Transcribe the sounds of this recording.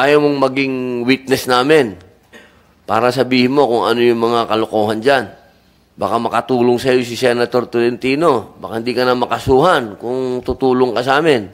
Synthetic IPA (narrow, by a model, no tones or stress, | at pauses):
ʔaːjɐwmoŋmɐɡiŋwit̪̚nɛsnaːmɪn | pa̰ːɾɐsɐbiːhɪnmo̞kʊŋɐ̰nojʊŋmɐŋakɐlokoːhɐnd͡ʒan | bakamɐkɐt̪uːloŋsɐjo̞s̬ɪsɛnɐt̪o̞ɾt̪ʊlɛnt̪iːno̞bakahɪnd̪ikɐnamɐkɐsuːɦankʊŋt̪ʊt̪uːloŋkɐsaːmɛn